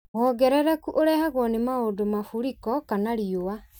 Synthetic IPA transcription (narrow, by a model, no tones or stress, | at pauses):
ɣɔːɡɛɾɛɾɛkuʔoɾɛhaɣwɔnemaodomafuɾikɔkanaɾiowa